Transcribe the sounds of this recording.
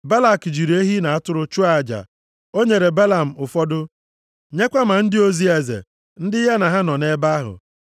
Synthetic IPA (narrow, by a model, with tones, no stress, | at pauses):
ba˦la˨kd͡ʒi˨ɾe˦ɦi˦na˨a˦tʊ˦ɾʊ˦t͡ʃu˦a˨d͡ʒa̰˨ | o˦ɲe˨ɾe˨ba˦la˨m̩˨ʊ˨fɔ˦dʊ˦ | ɲe˦kʷa˦ma˨n̩˦dɪ˦o˦zi˦e˨zḛ˨ | n̩˦dɪ˦ɦe˦na˨ɦa˦nɔ˨ne˦ba˦ɦʊ̰˨